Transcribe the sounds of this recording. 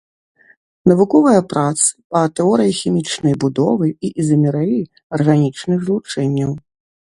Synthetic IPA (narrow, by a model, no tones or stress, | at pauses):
nɐvukɔvɨjɐpɾat̪sɨ̥pɐt̪ɛɔɾɨjixʲimʲit͡ʂnɐjbud̪ɔvɨiʔizɐmʲɛɾɛji | ɐrɣanʲit͡ʂnɨɣzlˠut͡ʂɛnʲːɐw